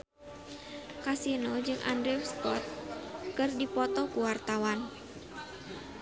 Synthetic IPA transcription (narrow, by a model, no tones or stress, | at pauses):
kasinod͡ʒɨŋʔa̰ndɾifspɔt̪̚kɨrdipɔt̪ɔkuwart̪awan